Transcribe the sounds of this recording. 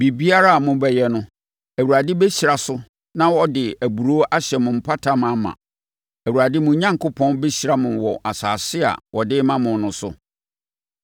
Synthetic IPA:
bi˨bi˦a˦ɾa˦a˨mʊ̃˦bɛ˨jɛ˦nʊ̃˦ | æ˨wu˨ɾa˨dɪ˦be˦ɕi˨ɾa˨sʊ˦ | nã˦wɔ˦dɪ˨æ˨bu˨ɾo˦ʔa˦ɕɛ˨mʊ̃˨m̩˨pʰa˦tʰa˦mã˦mã̰˨ | æ˨wu˨ɾa˨dɪ˦mʊ̃˨˦ɲã˦ŋkʰo˦pʰɔ̃˦nbɛ˦ɕi˨ɾa˦mʊ̃˨nwɔ˨ʔa˨saː˨sɪ˦a̰˨wɔ˨dɪː˦mã˦mʊ̃˨nnʊ̃˨sʊ̰˦

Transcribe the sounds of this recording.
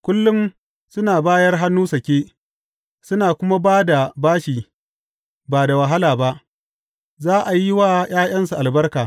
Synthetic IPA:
kʷʊ˦lːʊ˦m | sʊ˦naː˨baː˦jɐ˦rɦa˦nːuː˦sɐ˨kʲeː˦ | sʊ˦naː˨kʷʊ˦ma˦baː˦da˨baː˦ʃiː˨ | baː˨da˨wɐ˨ɦa˦laː˨ba˦ʔ | zaː˦ʔa˨ji˦waː˦j̰aː˦j̰ɐ˦nsu˨ʔa˨lbɐ˦rkaː˨

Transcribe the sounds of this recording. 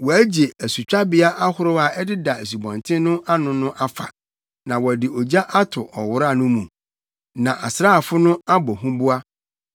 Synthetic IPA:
wɔ˨æ˦d͡ʑe˨æ˨su˨t͡ɕᶣa˦bɪ˦a˦ʔa˦hʊ˦ɾʊ˦a˨ɛ˦dɪ˦da˨e˨s̬u˨bɔ̃˨ntʰɪ̃˦nʊ̃˦ʔa˦nʊ̃˦nʊ̃˦ʔa˦fa̰˨ | nã˨wɔ˨æ˨dɪ˨ʔo˨d͡ʑa˦ʔa˦tʰʊ˨ʔɔ˨wʊ˦ɾa˦˨nʊ̃˦mũ˨ | nã˨ʔa˨sɾaː˦˨fʊ˦nʊ̃˦a˦bɔ˨ɦũ˦bu˦a˦

